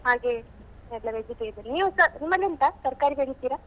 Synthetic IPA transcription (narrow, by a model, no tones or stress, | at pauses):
haːɡe | ɛlːɐʋed͡ʒiʈed̪ɐɾiniːʋusɐnimːɐlːeɐnt̪ɐsɐɾkaːɾiɡɦeɭit̪ːiːɾa